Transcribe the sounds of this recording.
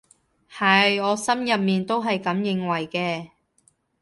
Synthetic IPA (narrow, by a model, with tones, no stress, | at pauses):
hɐ˨˩jɔː˨˧sɐ˥mjɐ˨p̚miː˨nt̪o˥wɦɐ˨jkɐ˨˧˥mjɪ˨˧ŋwɐ˨˩jkɛː˧